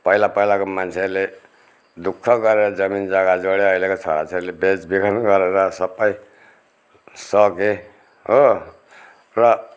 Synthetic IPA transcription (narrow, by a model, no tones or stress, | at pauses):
pʌɦilapʌilakomant͡sʰele | d̪ukʰːʌɡʌɾeɾʌd͡zʌmind͡zaɡad͡zoɽeʌjlekot͡sʰʌ̰ɽa̰t͡sʰeɾlebet͡sbikʰʌnɡʌɾeɾʌsʌbːʌj | sʌke | ɦo | rʌ